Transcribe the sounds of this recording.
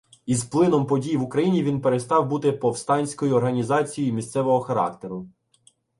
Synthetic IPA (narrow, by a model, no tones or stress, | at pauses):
izplˠɪnɔmpɔdʲijiʋukɾɐjinʲiʋʲinpeɾest̪ɑwbut̪ɪpɔwst̪ɑnʲsʲkɔjiɔrɦɐnʲizɑt͡sʲijimʲist̪sɛʋɔɦɔxɐɾɑ̰kt̪eɾʊ